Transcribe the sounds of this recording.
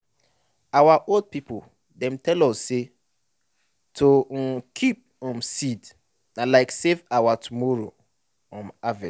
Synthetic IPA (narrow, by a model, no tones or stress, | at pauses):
awaʔold̚pipol | dɛ̃mtʰɛlɔsːe | tʰokʰip̚ɔ̃msid | nalaɪksevawatʰumɔɹo | ɔ̃mavɛ